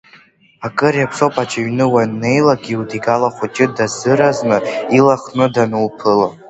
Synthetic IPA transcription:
akʼɨrjapʰʂopʼat͡ʃʰʼaɥnɨwanːe̞jlaɡʲiudiɡalaχʷat͡ʃʼɪdazɨɾaznɨilaχnɨdanɨlpʰɨla

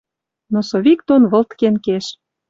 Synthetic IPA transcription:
nosoβikt̪onβə̆lt̪kenkeʃ

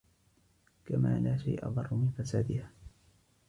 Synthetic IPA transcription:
kamaːlaːʃajʔa̰ðˤɑrˤːʊmɪnfasaːd̪ɪhaː

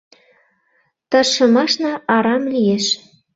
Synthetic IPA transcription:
t̪ɤʃɤ̆mɑʃnɑʔɑɾɑmlijeʃ

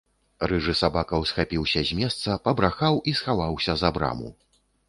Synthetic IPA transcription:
rɨʐɨsabakɐwsxapʲiwsʲɐzʲmʲɛst̪sɐpɐbɾaxawʔisxavawsʲɐzabɾa̰mṵ

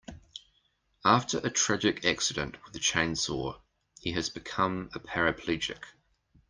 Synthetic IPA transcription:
ɑˑftʰəɹʔətʰɹ̥æd͡ʒɪkʰæksɪdə̰̃nʔwɪðət͡ʃʰɛ̃ɪ̃nsɔː | hiəzbɪkʰʌ̃məpʰæɹəpʰl̥id͡ʒɪ̰k

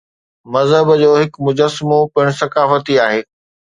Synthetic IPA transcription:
mɐzɦəbd͡ʑoːɦɪkmʊd͡ʑəsːɪmopɪɪɽ̃̆sɐkaːfət̪iaːɦeː

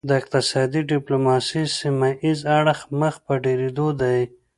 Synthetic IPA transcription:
d̪əɪq̚t̪ɪsɑd̪iɖɪplomɑsisimaʔizaɽxməxpəɖeɾed̪od̪aj

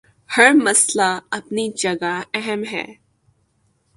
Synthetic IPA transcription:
hɐɾmɐslaɐpnid͡ʒɐɡaɛɦəmɦɛ̰ː

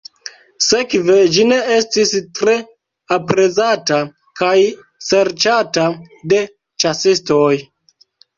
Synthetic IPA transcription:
se̞kved͡ʒine̞e̞stistɾe̞ | apɾe̞zata | kaj | se̞ɾt͡ʃata | de̞ | t͡ʃasistoj

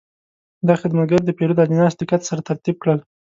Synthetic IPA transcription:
d̪ɑxɪd̪maɡaɾd̪əpeɾud̪ad̪inɑst̪ɪkat̪saɾat̪aɾt̪ib̚kɽəl

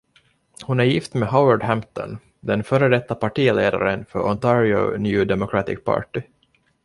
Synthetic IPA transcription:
hʊnæɾjɪft̪meɦawəɖhæmt̪ɔ̰n | d̪ɛnfœːɾəd̪ɛt̪ːapaʈiːlḛːd̪a̰ɾənfœɾɔnt̪ʰɑɾɪɔ̰njʉːd̪ɛmɔkʰɾat̪ɪ̰k̚pʰɑ̰ːʈɪ

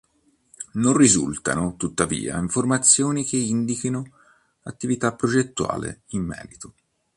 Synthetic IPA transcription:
nonrizṵlt̪a̰not̪ut̪ːavḭːa̰iɱformat̪sːjoːnikeind̪ikino | at̪ːivit̪apːɾod͡ʒet̪ːua̰ːlḛimːɛ̰ːɾit̪o

